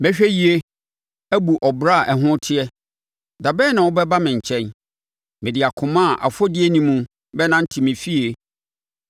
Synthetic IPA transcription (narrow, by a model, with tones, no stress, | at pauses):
bɛ˦ɕᶣɛ˦ji˨e˦ | æ˦bu˨ʔɔ˨bɾa˦˨ʔɛ˨ɦʊ̃˦tʰɪ˦ɛ˦ | da˨bɛː˦nã˨wʊ˦bɛ˦ba˦mɪ̃˨ɲ̩˨t͡ɕʰɛ̃˦n | mɪ̃˨dɪ˨a˨kʰʊ̃˨mã˦˨ʔa̰˨fɔ˦dɪ˦e˦nĩ˦mũ˦ | bɛ˦nã˦n̩˦tʰi˨mɪ̃˨fi˦e˨